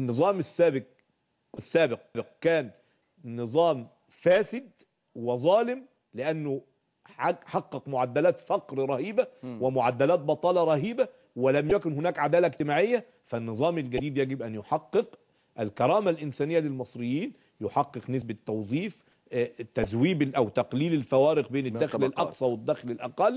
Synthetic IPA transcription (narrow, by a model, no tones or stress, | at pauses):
ʔnːɨzˤɑːmɪsːæːbɪq | ɪsːæːbɪq̚bɪq̚kæːnː | ɨzˤɑːm | fæːsɪd̪̚ | wɪzˤɑːlɪm | lɪʔænːʊ | ħɑqːɑqmʊʕad̪ːælæːt̪fɑqɾɾˤɑhiːbæwɪmʊʕad̪ːælæːt̪̚bɑt̪ˤɑːlɑɾˤɑhiːbæ | wɪlæmjækʊnhʊnæːkʕad̪æːlæʔɡt̪ɪmaːʕɪjːæ | fænːɨzˤɑːmɪlɡæd̪iːd̪jæɡɪbʔænjoħɑqːɨq | ʔælkɑɾˤɑːmalʔɪnsæːnɪjːælɪlmɑsˤɾɪjːiːn | joħɑqːɨqnɪsbæt̪ːɑwzˤiːf | t̪æzwiːbʔæwt̪ɑqliːlɪlfæwæːɾɪq̚beːnɪd̪æːxlɪlʔɑqsˤɑwɪd̪ːæxlɪlʔæqɑlː